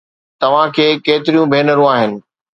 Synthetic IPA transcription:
t̪ɐʋ̤ãkʰeːkeːt̪ɪɾijũbʱeːnəɾũaːɦɪnɪ̆

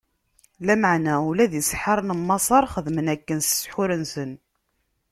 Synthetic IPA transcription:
læməʕnæulæðjəsħɑɾˤnəmːɑsˤɑɾˤχəðmənækːənsə̥sħʊɾənsən

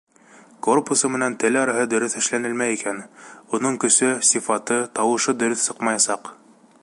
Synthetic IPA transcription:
korpusɤmɘ̆nænt̪ɘlɑɾɑɦɤd̪ɵ̆ɾɵθɘ̆ʃlænɘlmæjikænunɤɴkɵ̆sɵsʲifɑt̪ɤt̪ɑwɤ̆ʃɤd̪ɵ̆ɾɵθsɤ̥qmɑjɑsɑq

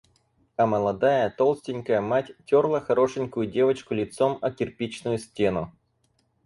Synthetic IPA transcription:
ɐməlˠɐd̪ajət̪olˠsʲtʲɪnʲkəjəmatʲtʲorlˠəxɐɾo̞ʂɨnʲkʊjʊdʲe̞vət͡ɕkʊlʲɪt̪somɐkʲɪrpʲit͡ɕnʊjʊsʲtʲe̞nʊ

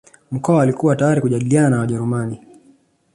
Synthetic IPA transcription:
m̩kɔaːlikuwatajaɾikuʄaɗiliananawaʄɛɾumani

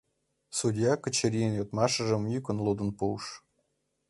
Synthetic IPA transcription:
sudʲjɑkə̆t͡ɕeɾʲijənjot̪mɑʃə̆ʒə̆mjykə̆nlˠud̪ə̆npuwʃ

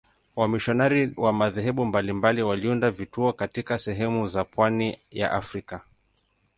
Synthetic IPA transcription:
wamiʃɔnaɾiwamaðɛɦɛɓumbalimbaliwaliundavituɔkatikasɛɦɛmuzapwanija̰ʔafɾika

